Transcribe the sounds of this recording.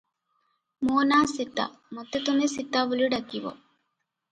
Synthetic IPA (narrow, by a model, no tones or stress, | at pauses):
moːnaːsit̪ːa̰mot̪ːɐt̪umesit̪ːaːʋuliɖɐkːiʋo̰